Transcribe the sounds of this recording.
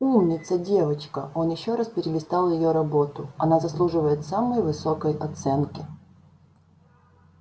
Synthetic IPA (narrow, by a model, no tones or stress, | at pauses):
umnʲɪt̪sədʲe̞vət͡ɕkəʔo̞njɪɕːo̞ɾaspʲɪɾʲɪlʲɪst̪alˠjɪjo̞ɾɐbo̞t̪ʊɐnazɐslˠuʐɨvəjɪt̪saməjvɨso̞kəjɐt̪sɛnkʲɪ